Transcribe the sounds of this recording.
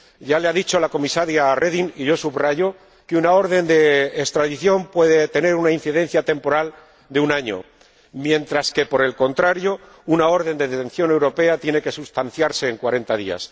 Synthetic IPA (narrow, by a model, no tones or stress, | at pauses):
ɟ͡ʝaleaðit͡ʃo̞lako̞misaɾjarʔeðiniʝo̞suβraʝo̞ | keunao̞ɾðe̞nd̪e̞ːkst̪ɾaðiθjo̞mpwe̞ðe̞t̪e̞ne̞ɾunainθiðẽ̞n̟θjat̪e̞mpo̞ɾal | d̪eunaɲo̞̰ | mjẽ̞nt̪ɾaske̞po̞ɾe̞lko̞nt̪ɾaɾjo̞ | unao̞ɾðe̞nd̪e̞ðet̪ẽ̞n̟θjo̞ne̞wɾo̞pe̞at̪je̞ne̞ke̞sust̪an̟θjaɾse̞ːŋkwaɾe̞nt̪aðḭa̰s